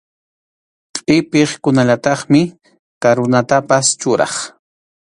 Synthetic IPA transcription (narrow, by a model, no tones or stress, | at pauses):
qʼɪpeχkʊnaʎat̪ɑχmɪ | kaɾʊnat̪apast͡ʃʊɾɑ̰χ